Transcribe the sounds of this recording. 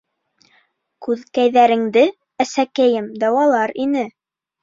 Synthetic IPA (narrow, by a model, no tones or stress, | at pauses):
kʉðkæjðæɾɘ̆ŋd̪ɘ | æsækæjɘmd̪ɑwɑlˠɑɾinɘ